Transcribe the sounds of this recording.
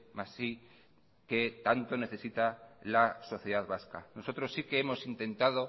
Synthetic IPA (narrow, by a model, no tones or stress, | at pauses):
masːi | ke̞t̪ant̪o̞ne̞θe̞sit̪alaso̞θjeðaðβaska̰no̞so̞t̪ɾo̞sːikeemo̞sint̪e̞nt̪að̞o